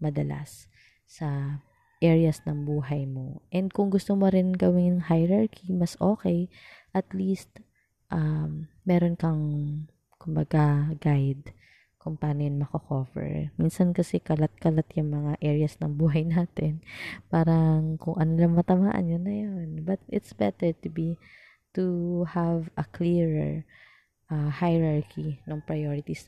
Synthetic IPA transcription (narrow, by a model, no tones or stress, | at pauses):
mɐd̪ɐla̰sː | ɐ | ʔɛɹjɐsnɐŋbuːɦɐjmo̞ʔɛnd̪̚kʊŋɡʊst̪omoɾɪnɡɐwɪnjɐŋhajɾaɹkʰimɐsʔo̞ːkɛjʔɐt̪liːst̪ | ʔamː | ɛːɾonkɐŋ | kʊmbɐɡaɡajd̪ | kʊŋpaːnojɪnmɐkɐkoːvɛ̰ɹminsɐnkɐsɛkɐlat̪̚kɐlat̪jʊŋmɐŋaʔɛːɹɪɐsnɐŋbuːɦɐjnaːt̪ɛnpaːɾɐŋkʊŋʔɐnolɐŋmɐt̪ɐma̰ːʔɐ̰njonːɐjonbɐt̪̚ʔɪt̪sbɛt̪ɛɹt̪ʊbi | t̪uhavɐkliɹɛ̰ɹ | ʔɐhajɹaɹkʰinoŋpɹɐjoːɾɪt̪is